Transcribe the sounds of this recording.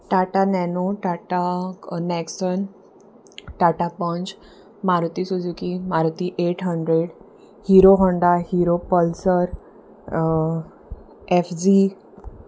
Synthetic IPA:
ʈaʈanɛnoʈaʈanɛksən | ʈaʈapə̃nd͡ʑ | maɾt̪isud͡zukimaɾt̪iʔeʈʰɦəɳɖɾeɽ | hiɾoɦəɳɖahiɾopəlsəɾ | efd͡ʑi

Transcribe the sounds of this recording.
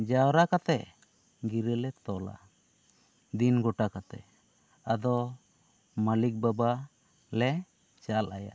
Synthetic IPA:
d͡ʒawɾakat̪ɛʔ | ɡiɾəlɛt̪ɔla̰ | d̪inɡɔʈakat̪ɛ̰ | ad̪ɔ | malik̚baba | lɛ | t͡ʃalaja̰

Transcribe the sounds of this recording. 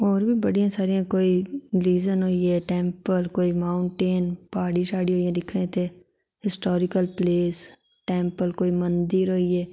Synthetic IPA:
ɔːɾbʱibɐɽijãsaːɾijãkoːiliːzənɦoːieːʈẽːmpəlkoːimaːʊɳʈeːnpaːɽiʃaːɽiɦoːijãd̪ɪkʰnet̪ʰe | hɪsʈoːɾɪkəlpleːs | ʈɛ̃ːmpəlkoːimənd̪iɾɦoːieː

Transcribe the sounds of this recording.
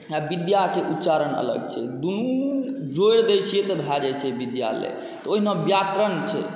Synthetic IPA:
abid̪jakeʔut̪ːt͡ʃaɾənə̰lə̰ɡt͡ʃʰɛ̰d̪unu | d͡ʒoɾd̪esiet̪ɔbʱad͡ʒajt͡ʃʰɛbid̪ja̰lḛ | t̪ɔoɦinãbjat̪ɾənt͡ʃʰɛ̰

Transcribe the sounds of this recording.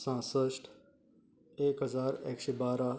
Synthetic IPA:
sãːsəʃʈ | eːkɦəzaːɾḛːkʃeːbaːɾaː

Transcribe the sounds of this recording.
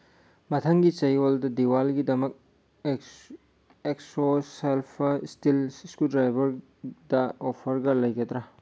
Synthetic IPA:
mɐt̪ʰɐŋɡit͡ʃɐjoldɐdiwalɡidɐmɐk̚ | eksoselpʰstilskudɾajbɐɾ | dɐopʰɐɾɡɐlɐjkɐt̪ɾɐ

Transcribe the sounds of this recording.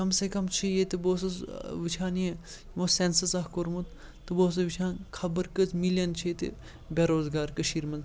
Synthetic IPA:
kɐmsekɐmt͡ʃʰijet̪iboːsɐsʋit͡ʃʰãːniẽ | ʋõsensɐsɐkoɾmut̪ | t̪ɨboːs̬ɐʋit͡ʃʰãːnkʰɐbəɾkət͡smiljɐnt͡ʃʰit̪ḭ | bʲeɾoːzɡaːɾkɐʃiːɾmɐnd̪

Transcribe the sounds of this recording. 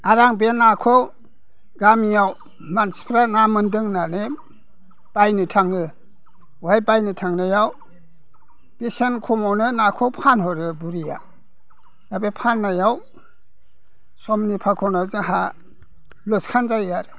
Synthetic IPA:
aɾaŋbenakʰɔw | ɡamijaw | manspʰɾanamɯndɯŋnane | b̥ajnɯtʰaŋɯ | wajbajnɯtʰaŋnɯjaw | b̥isenkʰɔmawnɯnakʰɔwpʰanɦɔɾɯbuɾija̰ | jabepʰanːajaw | sɔmnipʰakʰɔnazɯɦa | lɔskʰanzajaɾ

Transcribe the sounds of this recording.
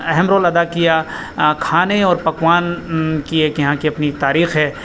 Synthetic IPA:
ɛɦɛmɾoːlɐd̪akija | kʰaːneɔːɾpɐkwaːnkieːkjɐɦãkiɐpnit̪aːɾiːxɦɛː

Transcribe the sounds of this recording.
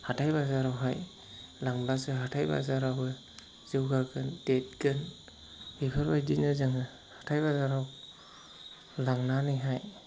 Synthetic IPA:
hatʰajbazaɾawɦaj | laŋblasɯɦatʰajba̰zaɾabɯ | z̥ɯwɡaɡʰɯndet̚ɡɯn | bipʰaɾbajdinɯzaŋɯ | hḁtʰajbazaɾaw | laŋnaniɦaj

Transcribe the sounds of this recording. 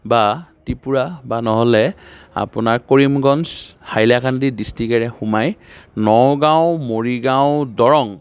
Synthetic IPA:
batipuɹabanɔɦɔlɛa̰pʊnaɹkoɹimɡɔnshajlakʰandidistikɛɹɛxumajnɔwɡãw̃moɹiɡaʊ̃dɔɹɔŋ

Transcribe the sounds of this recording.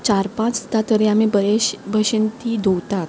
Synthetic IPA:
t͡ɕaɾpãt͡sd̪at̪əɾiamibbʱəɕənt̪iːd̪ʱowt̪at̪

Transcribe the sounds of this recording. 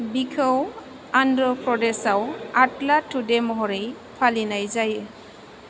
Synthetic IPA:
bikʰəw | andɹɔpɹɔdɛsawatlatʰːudɛmɔɦɔɹej | pʰalinajzajɛ

